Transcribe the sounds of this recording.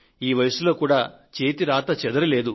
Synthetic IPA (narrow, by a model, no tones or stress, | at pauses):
iːʋɐjɐsulo̞ːkuːɽaːt͡ʃe̞ːt̪iɾaːt̪ɐt͡ʃɛd̪ɐɾɐle̞ːd̪u